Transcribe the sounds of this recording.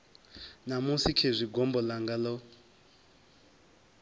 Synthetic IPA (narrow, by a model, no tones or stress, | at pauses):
namusikʰezʷiɡɔmbɔlaŋɡalɔ